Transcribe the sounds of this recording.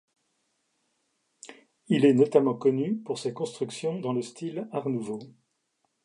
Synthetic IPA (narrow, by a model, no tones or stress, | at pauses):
ilɛnɔt̪amɑ̃kɔnypuʁsekɔ̃st̪χyksjɔ̃d̪ɑ̃ləst̪ʰilaʁnuvo